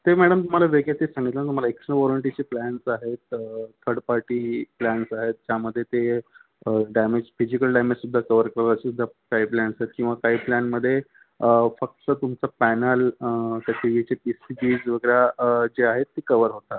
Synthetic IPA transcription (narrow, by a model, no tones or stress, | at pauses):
t̪emæɽəmt̪um̤alaʋeɡjat̪isãŋɡit̪lənat̪um̤alaekʂənʋɔləɳʈit͡ɕeplæɳsaɦet̪̚t̪ʰəɾɖpaɾʈiplænsaɦet̪̚d͡ʑjaməd̪ʱːjet̪e | ɖamed͡ʑfid͡ʑikəlɖamed͡ʑsud̪ʱːakəʋəɾkəɾat͡ɕisud̪ʱːakaɦiːplæɳsaɦet̪̚kĩw̃ʋakaɦiːplænməd̪ʱːje | əfək̚t̪ət̪umt͡sapænəlt̪at̪ʰiʋit͡ɕepisibid͡zʋəɡəɾad͡ʑeaɦet̪ːikəʋəɾɦot̪a